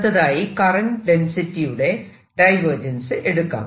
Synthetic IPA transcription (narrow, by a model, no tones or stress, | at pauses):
t̪ːɐðaːjikɐrɐnɖensitːijuɽe̞ | ɖɐjʋɐrd͡ʑɐnsɨʔeɽukːa̰ːm